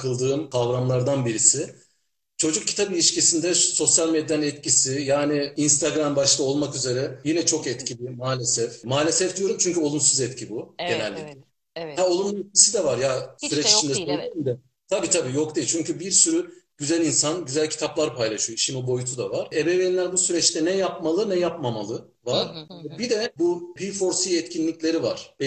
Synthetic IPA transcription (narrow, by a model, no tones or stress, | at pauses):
kʰɯlˠd̪ɯːnkʰavɾamlˠaɾd̪anbiɾisɪ | t͡ʃʰo̞d͡ʒuk̚cʰːi̥t̪ʰabilʲiʃcisind̪ɛso̞sjalʲmed̪ʲjɛnɛt̪cʰisijaːniinst̪ʰaɡɾambaʃlˠao̞lˠmakyze̞ɾɛjinɛt͡ʃʰo̞kɛt̪cʰibimaːlʲesɛfmaːlʲesɛfd̪ijo̞ɾumt͡ʃʰyɲcʰyo̞lˠumsuzɛt̪cʰibuɟe̞nælʲːḭclʲɛ | hæo̞lˠumumɛt̪̚cisid̪ɛvaɾjasyɾɛt͡ʃit͡ʃʰind̪ɛsojd̪ysimd̪ɛ | t̪ʰabiːt̪ʰabiːjo̞kt̪ʰet͡ʃʰyɲcybiɾsyɾyɟ̥yzælʲinsanɟyzælʲcʰi̥t̪ʰaplˠaɾpʰajlˠaʃɯjoʃimd̪ibo̞jut̪ʰud̪avaɾ̥ebeveinlʲæɾbusyɾɛt͡ʃt̪ʰɛnɛjapmalˠɯnɛjapmamalˠɯ | vaɾ̥ɛbid̪ɛbupʰifo̞ɾsiɛt̪cʰinlʲiclʲe̞ɾivaɾ̥b̥ɛ